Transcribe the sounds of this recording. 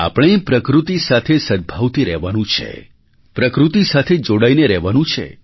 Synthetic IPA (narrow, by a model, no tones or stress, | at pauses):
a̰pɽ̃epɾəkɾut̪isat̪ʰesəd̪̚bʱaʋt̪iɾɛɦʋanũt͡ʃʰḛ | pɾəkɾut̪isat̪ʰed͡ʒoɽaineɾɛɦʋanũt͡ʃʰḛ